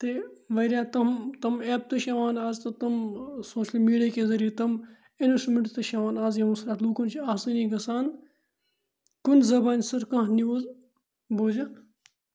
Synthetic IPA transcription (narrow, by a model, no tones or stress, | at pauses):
t̪eʋɐɾjaːt̪ɐmt̪ɐmeːp̚t̪ɐʃɐʋaːnaːzt̪ɐt̪ɐmsoːʃəlmiːɖiakeːzɐɾijet̪ɐm | enusmeɳʈt̪ɐʃɐʋaːnaːzjɐmusɾaːtluːkunt͡ʃʰiaːsɨnĩɡɐsaːn | kunzɐbaːnʲsɐɾkɐ̃ɦniʋoːz | boːd͡ʒa